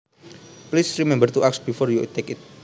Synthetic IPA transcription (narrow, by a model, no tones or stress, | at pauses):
plisrimɛ̃mbərt̪uʔak̚sbifɔrjut̪ekit̪̚